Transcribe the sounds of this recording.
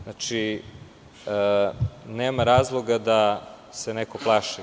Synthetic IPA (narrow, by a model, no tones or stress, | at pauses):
nat͡ʃi | neːmaɾaːzlˠoɡad̪a | senekoplˠaʃi